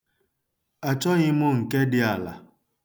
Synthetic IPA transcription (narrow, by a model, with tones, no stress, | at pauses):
a˨t͡ʃɔ˦ɣɪ˦mʊ˦ŋ̩˨ke˦dɪ˦a˨la̰˨